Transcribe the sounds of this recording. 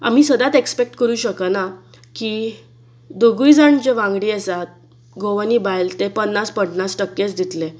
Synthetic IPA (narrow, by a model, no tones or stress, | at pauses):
a̰m̤iːsəd̪at̪ekspek̚ʈkəɾuːɕəkəna | ki | d̪oɡujd͡zaɳd͡ʑeʋãŋɡɽiːesat̪̚ | ɡoʋaniːbajlt̪epənːaspəɽnasʈəkːet͡sd̪it̪le